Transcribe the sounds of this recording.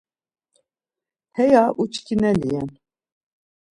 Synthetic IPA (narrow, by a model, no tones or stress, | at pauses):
hɛjaʔut͡ʃkʲinɛlijɛn